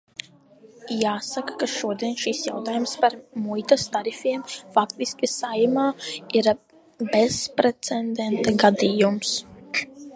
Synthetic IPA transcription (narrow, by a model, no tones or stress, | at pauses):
jaːsakḁkaʃuɔd̪iɛnʃisja̰wt̪aːjumspaɾmujt̪ast̪aɾifʲiɛmfakt̪iskʲisajmaːiɾ | bespɾɛt̪sɛnd̪ent̪aɡad̪ijums